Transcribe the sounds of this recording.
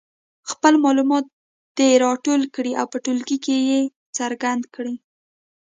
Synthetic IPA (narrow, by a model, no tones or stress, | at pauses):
xpəlmɑlumɑt̪̚ | d̪̥eɾɑʈolkɽiʔawpəʈolɡikeje | t͡səɾɡand̪kɽi